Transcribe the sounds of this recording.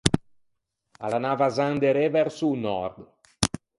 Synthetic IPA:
a̰lanavazand̪eɾevɛɾsunɔɾd̪

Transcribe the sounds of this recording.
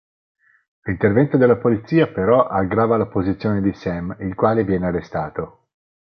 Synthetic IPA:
lint̪ervɛnt̪od̪elːapolit̪siːapeɾɔʔaɡɾaːvalapozit̪sːjoːned̪isɛmilkwaːlevjɛːnearːest̪aːt̪o

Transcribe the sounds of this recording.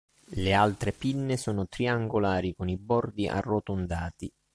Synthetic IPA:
lealt̪ɾepinːesɔːnʊt̪ɾiaŋɡolaːɾikonibɔrd̪iʔa̰rːot̪ond̪aːt̪i

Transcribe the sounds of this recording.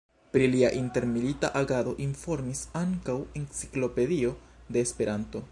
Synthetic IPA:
pɾiliaʔinte̞ɾmilitaʔaɡado̞ʔinfo̞ɾmisaŋkawe̞nt͡si̥klo̞pe̞dio̞de̞ːspe̞ɾanto̞

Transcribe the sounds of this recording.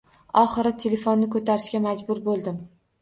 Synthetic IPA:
ɒχɨɾɪt̪ʰe̞le̞fonːɪkɵt̪ʰaɾɪʃkʲamad͡ʒbʊɾbolˠd̪ɪm

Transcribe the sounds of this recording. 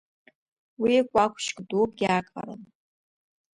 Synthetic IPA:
wikʷʼakʷʰʃkʼdupɡʲakʼa̰ɾɨ̰n

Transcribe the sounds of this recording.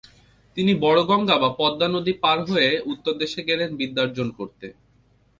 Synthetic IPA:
t̪inibɔɽoɡɔŋɡabapɔd̪ːanod̪ipaɾɦoeut̪ːoɾd̪eʃeɡɛɾenbid̪ːaɾd͡ʑonkoɾt̪ḛ

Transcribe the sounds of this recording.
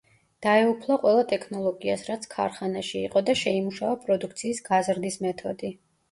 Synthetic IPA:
d̪̥aɛupʰlˠaqʼwɛlˠat̪ʼɛkʰnɔlˠɔɡiasɾat̪sʰkʰa̰ɾχanaʃḭːqʼɔd̪aʃɛimuʃaɔpʼɾɔd̪uk̚ʰt̪sʰiːsɡ̥azɾd̪ismɛt̪ʰɔd̪i

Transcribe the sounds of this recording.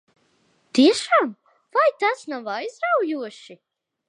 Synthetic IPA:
t̪iɛʃaːm | vajt̪asnavajzɾawjuɔʃi

